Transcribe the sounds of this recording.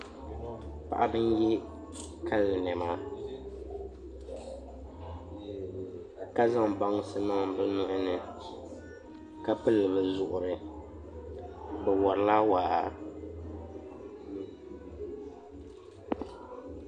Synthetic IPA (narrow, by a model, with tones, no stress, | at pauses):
pa̰˨ʔa˦bɨ˦n˦jɛ˦ | ka˦lɨ˨nɛ˨ma˦ | ka˦za˦ŋ˨ba˦ŋ˦sɨ˦nɔ˦ŋ˦bɛ˦nʊ˦ʔʊ˦nɨ˨ | ka˦pɨ˦lɨ˨βɨ˨zʊ˨ʔʊ˨ɾɨ˨ | bɛ˨wɔ˨ɾɨ˦la˦waː˨a˨